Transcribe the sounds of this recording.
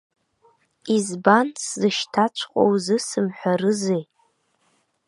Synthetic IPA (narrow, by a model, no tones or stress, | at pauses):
izbanszɨʃtʰat͡ʃʷʰqʼo̰wzɨsɨmħʷᶣaɾɨzej